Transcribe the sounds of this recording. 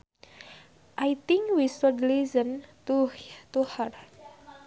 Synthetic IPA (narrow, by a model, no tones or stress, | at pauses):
ʔajt̪iŋkwisɔdlizənt̪uht̪uhər